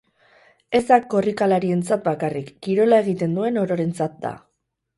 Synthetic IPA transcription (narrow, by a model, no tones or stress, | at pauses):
e̞zd̪akːo̞rikalaɾie̞nt͡sat̪̚bakarikːiɾo̞lae̞ɣ̞it̪e̞nd̪ue̞no̞ɾo̞ɾe̞nt͡sat̪̚d̪a̰